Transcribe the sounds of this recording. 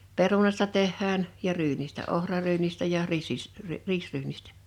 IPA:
perunɑstɑ tehːæːn jɑ ryːnistæ ohrɑryːnistæ jɑ riːsːis riːsryːnistæ̥

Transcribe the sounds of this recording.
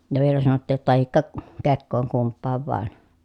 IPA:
jɑ ʋielæ sɑnotːiːj jotːɑ tɑhikːɑ kekːoːŋ kumpːɑːʋ ʋɑˑen

